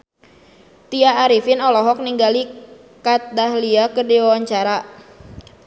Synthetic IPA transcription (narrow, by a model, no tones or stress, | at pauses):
t̪iaːɾifɪnɔlɔɦɔk̚niŋɡali | kat̪̚dahliakədiwawaɲt͡ʃaɾa